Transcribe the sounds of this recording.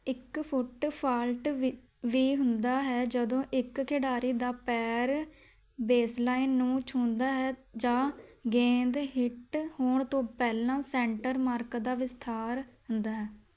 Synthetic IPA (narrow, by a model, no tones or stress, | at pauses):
ɪkpʰʊʈpʰaːlʈ | ʋiːɦʊnd̪aːɦɛːd͡ʒəd̪õːʔɪkkʰɪɖaːɾiːd̪aːpɛːɾ | beːslaːinːũːt͡ʃʰʊ̃ːnd̪aːɦɛːd͡ʒãːɡẽːnd̪ɦɪʈhoːɳt̪õːpɛːlãːsɛ̃ːɳʈəɾmaːɾkd̪aːʋɪst̪ʰaːɾɦʊnd̪aːɦɛː